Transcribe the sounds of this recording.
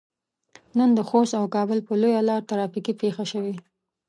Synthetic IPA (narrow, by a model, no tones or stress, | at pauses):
nənd̪əxost̪awkɑbəlpəlojalɑɾt̪aɾɑfikipexaʃəwe